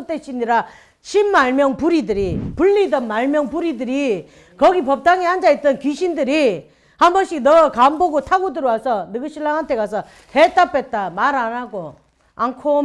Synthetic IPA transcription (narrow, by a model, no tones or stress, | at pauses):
t͈eɕʰiɲiɾa | ɕʰimːaɭmjʌŋpuɾidɯɾipuɭːidʌnmaɭmjʌŋpuɾidɯɾi | kʌɡipʌp̚t͈aŋeɦand͡ʑait̚t͈ʌnkiɕʰindɯɾi | hambʌnɕ͈ʰinʌkamboɡotʰaɡodɯɾowasʰʌnɯɡɯɕʰiɭːaŋɦantʰe̞kasʰʌ | het͈ap͈et̚t͈amaɾanaɡo | aŋkʰo